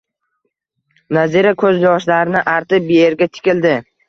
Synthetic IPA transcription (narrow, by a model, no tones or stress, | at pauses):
naziɾakʰɵzjɒʃlaɾɪnɪʔaɾt̪ʰɪbeeɾɡʲat̪ʰɪ̥kʲɪld̪ɪ